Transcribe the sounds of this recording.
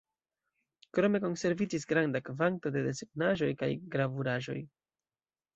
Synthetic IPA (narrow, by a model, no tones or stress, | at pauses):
kɾo̞me̞ko̞nse̞ɾvid͡ʒis̬ɡɾandakvanto̞de̞de̞seɡnaʒo̞jka̰jɡɾavuɾaʒo̞̰j